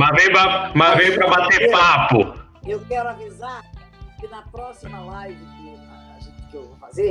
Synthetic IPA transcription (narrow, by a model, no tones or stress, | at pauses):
mavẽjpɾɐmavẽjpɾɐbat̪eppapʊ | ewkɛɾʊavizaɾ | kɪnɐpɾɔsimɐlajvɪkɪaaʒẽt͡ʃeɪkewvafaze